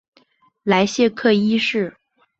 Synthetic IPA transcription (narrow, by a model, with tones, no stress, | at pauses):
la˧˥ɪɕjɛ˥˧kʰɤ˥˩˧i˥ʂɻ̩˥˩